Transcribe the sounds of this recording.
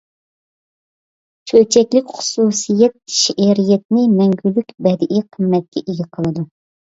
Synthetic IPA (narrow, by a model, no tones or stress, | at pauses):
t͡ʃʰøt͡ʃʰɛkʲlɪkʲχʊ̥susɨjɛt̪̚ʃiʔɛɾijɛt̪̚nɪmɛŋɡʲylːykʲbɛd̪ɪʔiqʰəmːɛt̪̚kʲɛʔeɡʲɛqʰəlˠɨd̪u